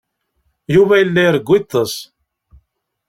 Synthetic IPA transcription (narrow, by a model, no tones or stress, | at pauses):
juvæjəlːæjəɾəɡʷːit̪ˤːəs